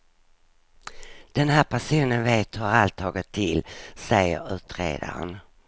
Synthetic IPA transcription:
d̪̥ɛnhæːɾpʰæʂuːnənveːt̪aalt̪ʰːɑːɡɪt̪ʰːɪlsɛjːə̰ɾʉ̟ːt̪ɾḛːd̪a̰ɾə̰n

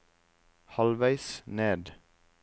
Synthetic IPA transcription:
hɑlʋæɪsneːd̪

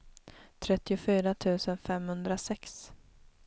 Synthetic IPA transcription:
t̪ʰɾɛt̪ːɪʊfyːɾat̪ʰʉ̟ːsənfɛmhɵnd̪ɾasɛks

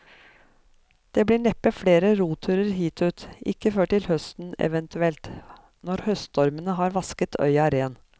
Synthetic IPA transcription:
d̪̥eːbliːɳɛpːəfɽeːɾəɾuːt̪ʰʉːɾəɾɦiːt̪ʰʉːt̪ʔɪ̰kːəføːʈɪlhœst̪n̩ɛ̰ʋɛnt̪ʰʉɛlt̪ | nɔɾhœst̪ɔɾmənəɦɑːɾʋɑskət̪ʰœ̰ʏɑɾeːn

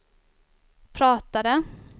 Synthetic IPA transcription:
pʰɾɑːt̪ad̪ə

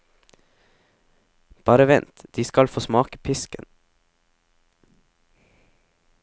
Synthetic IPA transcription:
b̥ɑːɾəʋɛnt̪d̪̥iːskɑlfoːsmɑːkəpʰɪskə̰n

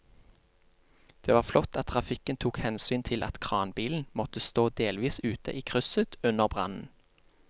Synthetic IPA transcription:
d̪̥eːʋɑːʁflɔt̪ɑt̪̚ʰʁɑfɪkənt̪ʰuːkhɛnsyːnt̪ʰɪlʔɑ̰t̪kʰʁɑːnbiːln̩mɔt̪əst̪oːd̪eːlʋiːsʉːt̪ə̰ʔiːkʰʁʉsət̪ʉnəʁbʁɑ̰nn̩

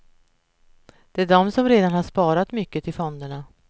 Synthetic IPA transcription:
d̪̥ɛæɖɔmsɔmɾeːd̪anhaʂpɑːɾat̪mʏkːət̪ʰɪlfɔnd̪əɳa

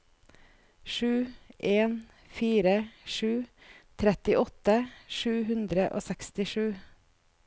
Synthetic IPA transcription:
ʃʉːʔeːn | fiːɾəʃʉː | t̪ʰɾɛt̪ɪʔɔt̪əʃʉːhʉnd̪ɾəʔo̰ːsɛkst̪ɪʃʉː

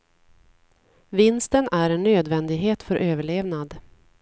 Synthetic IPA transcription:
vɪnst̪ənæɾɛnːøːd̪vɛnd̪ɪɡɦeːt̪fœɾʔøːvəɭeːvnad̪

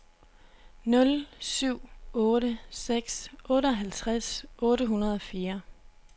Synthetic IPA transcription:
nɔ̽lsyʊ̰ɔ̽ːɾəseɡ̥sʔɔ̽ːɾəɒ̽ɦælt͡sʰʁasʔɔ̽ːɾəɦunɐðˠɒ̽fiːɐ

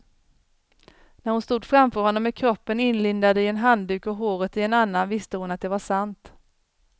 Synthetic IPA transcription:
næɾhʊnst̪uːd̪fɾamfœːɾhɔnːɔmːɛkʰɾɔpːənɪnlɪnd̪ad̪əɪɛnɦand̪ʉ̟ːkɔɦoːɾət̪ɪɛnanːanvɪst̪əhʊnat̪̚d̪ɛvaʂant̪

